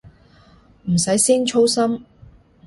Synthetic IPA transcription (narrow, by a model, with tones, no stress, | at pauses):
m̩˨˩sɐ˨˥jsiː˥nt͡ʃʰo˥wsɐ˥m